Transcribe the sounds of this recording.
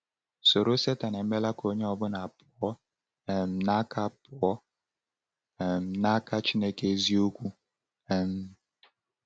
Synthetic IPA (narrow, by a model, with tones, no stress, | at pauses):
so˨ɾo˦se˦ta˨ne˨m̩˦me˦la˦ko˦ɲe˦ɔ˦bʊ˦na˨pʊ˨ɔ˦˨ | m̩˨na˦ka˦˨pʊ˨ɔ˦˨ | m̩˨˦na˦ka˦t͡ʃi˦ne˦ke˦zi˦o˦kʷu˦ | ɛ˦m̩˦